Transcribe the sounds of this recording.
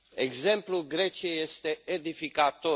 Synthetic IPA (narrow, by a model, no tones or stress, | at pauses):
eɡzɛmpluɡɾɛt͡ʃeɛst̪eed̪ifikat̪o